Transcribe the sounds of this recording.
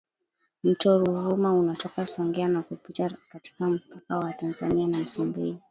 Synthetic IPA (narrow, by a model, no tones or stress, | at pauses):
m̩tɔɾuvumaunatɔkasɔŋɡɛanakupitakati̥kam̩pakawatanzanianam̩sumbii